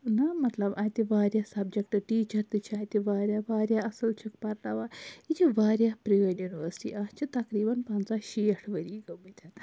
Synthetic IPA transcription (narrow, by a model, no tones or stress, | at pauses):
nɐmɐt̪lɐbajt̪iʋaːɾʲjasɐb̚d͡ʒek̚ʈɨʈiːt͡ʃɐɾt̪it͡ʃʰiaːjt̪iʋaːɾʲjaʋaːɾjaɐsəlt͡ʃʰɐkpɐɾlaʋait͡ʃʰiʋaːɾjapɾijoːnjuniʋəsʈḭʔat͡ʃʰit̪ɐkɾiːbɐnpɐnt͡saʃiʈʰʋəɾiːɡəmit̪ʲʰan